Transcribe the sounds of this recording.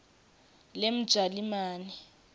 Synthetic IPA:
lem̩d̥ʒ̥ʱalimaːni

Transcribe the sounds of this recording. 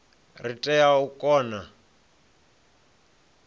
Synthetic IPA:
ritʼɛjaukʼɔːna

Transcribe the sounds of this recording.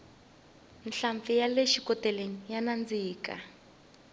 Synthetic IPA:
nɬaɱfijaleʃikɔtɛlenijanand͡ziːka̰

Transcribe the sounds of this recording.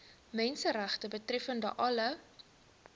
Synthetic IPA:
mɛnsəræχtəbətrɛfəndə̰ʔɐlə

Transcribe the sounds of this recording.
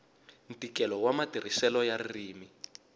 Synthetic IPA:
ntikɛlɔwamatir̤isɛlɔjarriːmi

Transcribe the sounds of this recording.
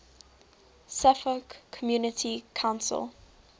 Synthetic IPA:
safəkʰːɔmjuːnətʰikʰãʊ̃nsə̰lˠ

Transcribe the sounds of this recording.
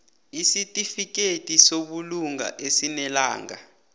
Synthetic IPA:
isitʼifik̬ʼetʼisoɓuluŋa̰ʔesinɛla̰ːŋɡa̰

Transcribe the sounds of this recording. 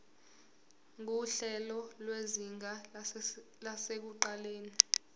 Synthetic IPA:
ŋuɬɛlɔlweziŋa | lasek̬uǃaleːni

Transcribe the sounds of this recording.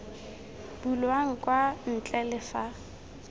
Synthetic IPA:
b̥ulwaŋ̩kʼwan̩t͡ɬʼɛlɪfa

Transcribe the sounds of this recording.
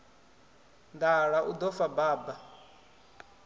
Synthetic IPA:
nd̪aɺaʔud̪ɔfabaːba

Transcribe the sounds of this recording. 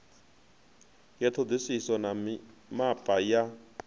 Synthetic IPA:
jɛtʰod͡zisisɔnamapʼaja

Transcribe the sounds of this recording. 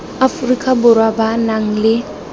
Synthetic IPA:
afrikʼabʊrwabanaŋ̩lɪ

